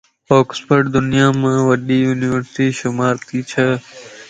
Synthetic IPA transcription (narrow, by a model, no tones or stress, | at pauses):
oːkspəɾɖd̪ʊnɪjaːmãːʋəɗiːjuːniʋəɾsʈiːʃʊmaːɾt̪iːt͡ʃʰəː